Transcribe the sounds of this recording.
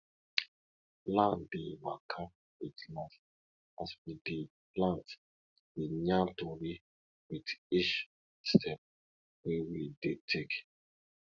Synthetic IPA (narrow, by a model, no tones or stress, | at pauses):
lãndevakʰap | witlãs | aswide | plãnt | wiɲãtoɾi | widit͡ʃ | stʰɛp̚ | wɛwidetʰek